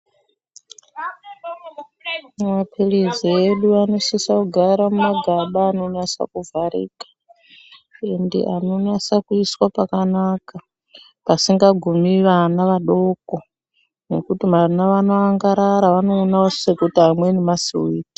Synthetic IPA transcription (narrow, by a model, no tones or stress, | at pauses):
mumapʰilizieɗuano̞sisakuɡʱaɾamumaɡʱaɓaːno̞nasa̰kuvʱaɾḭːkḁ | endḛʔano̞nasakuiswapakanaka | pasiŋɡaɡʱumiʋanaʋaɗo̞ko | ne̞kutimarinaʋanoaŋɡaɾaɾaʋano̞ːnao̥sekutiamwenemasiwuiːtḁ